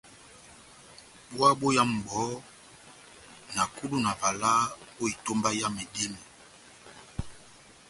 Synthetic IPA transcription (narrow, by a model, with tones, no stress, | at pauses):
ɓwa˦ɓo˦ja˦m̩˨bɔ˨˦ | na˨ku˦du˦na˨va˨la˦o˦i˨to˦mba˦ja˦me˨di˦mi˨